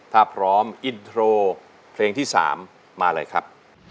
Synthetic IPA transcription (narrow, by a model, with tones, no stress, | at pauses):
t̪ʰaː˥˩pʰɾɔː˦˥mʔi˧nt̪ʰɾoː˧ | pʰleː˧ŋt̪ʰiː˥˩sa̰ː˩˦mː | aː˧ɾɤ̰˧jkʰɾa˦˥p̚